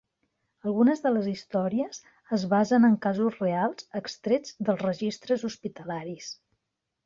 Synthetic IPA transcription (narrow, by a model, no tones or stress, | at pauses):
əlˠɣunəzðələzist̪ɔɾiəz | əzβazənəŋkazuzrealˠz̥əkst̪ɾed͡zd̪əlˠzrəʒist̪ɾəzuspit̪əlaɾis